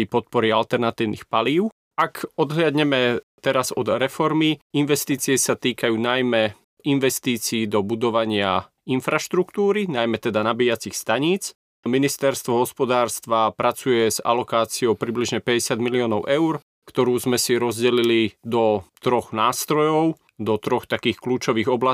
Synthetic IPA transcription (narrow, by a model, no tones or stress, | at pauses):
ipɔt̪̚pɔɾialt̪ɛɾnat̪iːʊnḭxpaliːʊ | akɔd̪ɦlad̪ɲɛmɛt̪ɛɾazɔd̪ɾɛfɔɾmiinʋɛst̪iːt͡siɛsat̪iːkajuːnajmɛ | inʋɛst̪iːt͡siːd̪ɔbud̪ɔʋaɲɪa | infɾaʃt̪ɾukt̪uːɾinajmɛt̪ɛd̪anabiːat͡sixst̪aɲiːt͡s | minist̪ɛɾst̪ʋɔɦɔspɔd̪aːɾst̪ʋapɾat͡sujɛza̰lɔkaːt͡siɔʊpɾibliʒɲɛpɛɟɛsɪad̪miliɔːnɔʊʔɛʊɾ | kt̪ɔɾuːzmɛsiɾɔzɟɛlilid̪ɔt̪ɾɔxnaːst̪ɾɔjɔʊ | d̪ɔt̪ɾɔxt̪akiːxkluːt͡ʃɔʋiːɣɔbla